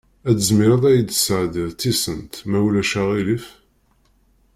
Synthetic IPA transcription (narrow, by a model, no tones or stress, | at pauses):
æd̪əzmɪɾɑðˤæjəd̪əsəʕd̪iðt̪ːisənt̪mæwlæʃæʁilif